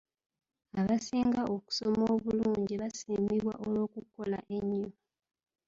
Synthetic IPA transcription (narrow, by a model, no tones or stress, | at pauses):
aβasiːŋɡaʔo̞ku̥somoːβuluːɲɟiβasiːmiβwaʔolwoːkuko̞laʔe̞ɲːo